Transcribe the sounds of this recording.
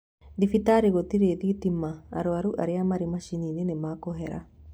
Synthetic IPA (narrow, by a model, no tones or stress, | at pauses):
d̪ifit̪aɾiɣot̪iɾeðit̪ima̰ːɾoaɾuʔa̰ɾeamaɾimaʃininenemaːkɔɦɛɾa̰